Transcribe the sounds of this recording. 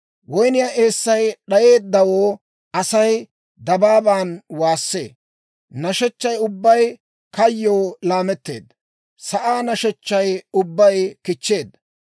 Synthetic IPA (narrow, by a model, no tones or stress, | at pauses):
wɔjnɪjaʔe̞ːsːɐjɗɐje̞ːd̪ːɐwoː | ɐsɐj | d̪ɐbaːbaːnwaːsːe̞̰ː | nɐʃɛt͡ʃːɐjʊbːɐj | kɐjːoːlaːmɛt̪ːe̞̰ːd̪ːɐ | sɐʔaːnɐʃɛt͡ʃːɐjʊbːɐjkɪt͡ʃːe̞ːd̪ːɐ